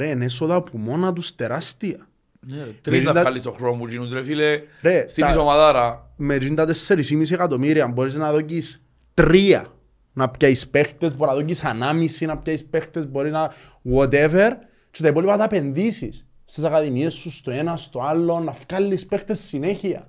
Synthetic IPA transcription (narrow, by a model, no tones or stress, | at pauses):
ɾeːnes̬oðɐpumo̞nɐt̪̬ust̪eɾast̪iɐ | t̪ɾmed͡ʒikalːisoxɾomut͡ʃinuzɾefileɾest̪isomaðɐɾa | med͡ʒind̪ɐt̪esːeɾisimisiekat̪o̞miɾiɐambo̞ɾiznɐðo̞cis | t̪ɾiɐ̰ | napcaispext̪ezbonaðocisanamisinɐp̚caispext̪ezbo̞ɾizna | ɣot̪̬eveɾ | t͡ʃet̪aipolipɐt̪ape̞nðisisː | t̪isakaðimiesːust̪oenɐst̪oalːo̞nːɐfkalːispext̪esːineçiɐ̰